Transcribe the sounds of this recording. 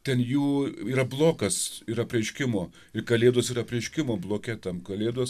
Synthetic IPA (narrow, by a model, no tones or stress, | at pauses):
t̪ʲɛnjuːiːɾɐblˠoːkɐsiːɾɐpʲrʲɛɪʃʲkʲɪmoː | ɪrkɐlʲeːd̪oːsiːɾɐpʲrʲɛɪʃʲkʲɪmoːblˠoːkʲɛt̪ɐmkɐlʲeːd̪oːs